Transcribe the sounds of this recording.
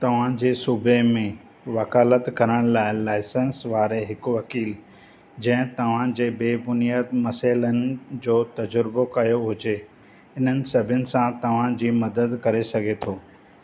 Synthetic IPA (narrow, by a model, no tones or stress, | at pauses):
t̪ɐʋ̤ãd͡ʑeːsuːbʱemẽ | ʋɐkaːlət̪kɐɾəɽ̃laːɪlaːɪsə̃nsʋaːɾeɦɪkʋɐkiːl | d͡ʑɐ̃ɦɪ̃t̪ɐʋ̤ãd͡ʑeːbeːbʊnjaːd̪mɐsaːɪlənɪ̆d͡ʑoːt̪ɐd͡ʑʊɾbokɐjoɦʊd͡ʑe | ɪn̤ənɪ̆sɐbʱɪjʊnɪ̆sãt̪ɐʋ̤ãd͡ʑiːmɐd̪əd̪kɐɾesɐɡʱet̪ʰoː